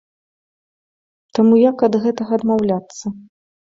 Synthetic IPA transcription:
t̪amujakɐd̪ɣɛt̪ɐɣɐːd̪mawlʲat̪sːɐ

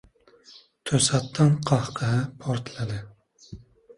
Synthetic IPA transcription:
t̪ʰøsɑt̪ʰːɑnqʰɑhqʰəɦɛpʰoɾt̪ʰlˠɨd̪ɨ

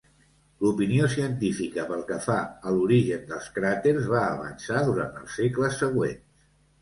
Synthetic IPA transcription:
lupiniosiənt̪ifikəpəlˠkəfaəluɾiʒənd̪əlˠskɾat̪eɾzβaəβə̰nsaðuɾa̰nt̪ə̰lˠsekləsːəɣ̞wḛns

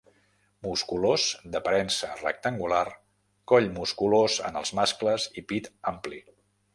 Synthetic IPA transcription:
muskulozd̪əpəɾɛnsərə̰k̚t̪əŋɡular | kɔʎmuskulozə̰nə̰lˠzmaskləzipit̪ampli

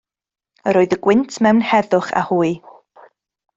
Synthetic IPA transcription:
əɾoːɨðəɡwɪntʰmɛwnhɛðʊχa̰huːɨ

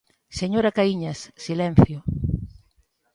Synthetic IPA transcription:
seɲoɾɐkaiɲɐssilɛn̟θjʊ

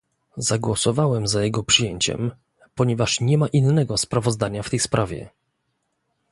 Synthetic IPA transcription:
zaɡwɔsɔvawɛmzajɛɡɔpʂɨjeɲt͡ɕɛ̰m | pɔɲɛvaʂɲɛmaʔinːɛɡɔspɾavɔzd̪aɲaft̪ɛjspɾʔavʲjɛ̰

